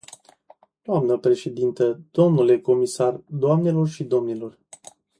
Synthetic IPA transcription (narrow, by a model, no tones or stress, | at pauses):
d̪̥oamnəpɾe̞ʃe̞d̪int̪əd̪̥o̞mnule̞ko̞misard̪oamne̞lo̞rʃid̪o̞mnilo̞r